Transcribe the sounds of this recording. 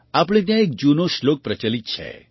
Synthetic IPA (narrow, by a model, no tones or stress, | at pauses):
apɽ̃ẽt̪̬jãek̚d͡ʒunoʃlok̚pɾət͡ʃalit̪̚t͡ʃʰɛ̰